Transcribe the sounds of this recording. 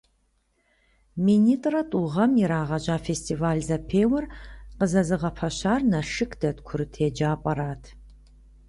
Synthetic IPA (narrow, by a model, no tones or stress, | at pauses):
miniːtʼrɐtʼuʁɐmjɛɾaːʁɐʑaːfeːstʰʼiːvaːlzɐpʰeːwɐrqəzɐzɨʁɐpʰɐɕaːrnɐʂɨkʰd̥ɐtkʷʰʊɾɨtʰeːd͡ʒaːpʼɐɾaːtʰ